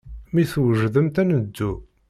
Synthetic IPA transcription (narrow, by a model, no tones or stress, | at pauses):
miθwəʒðəmt̪ænəd̪ːu